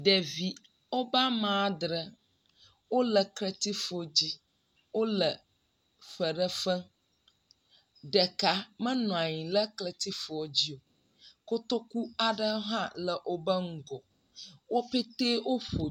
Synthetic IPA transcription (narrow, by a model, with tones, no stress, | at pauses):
ɖe˨vi˨ | o˦ba˦mã˨˦d̪ɾə˨ | wo˦lə˨klə˨t̪i˦fo˨d͡ʑi˦ | wo˦lə˨ | fə˨ɖə˦fə˦ | ɖə˨ka˨mə̃˦nɔ̃˨a˨ɲĩ˨lə˦klə˨t̪i˦fo˨d͡ʑi˦o˨ | ko˦t̪o˦ku˦a˨ɖə˦ɦã˦lə˨ʔo˦bə˦ŋ̩˦ɡɔ˨ | wo˦pe˦t̪e˦wo˦ɸo˨